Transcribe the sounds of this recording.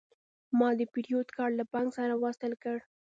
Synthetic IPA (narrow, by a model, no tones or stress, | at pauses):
mɑd̪əpiɾijod̪kɑɽlapɑŋɡsaɾawast̪əlkəɽ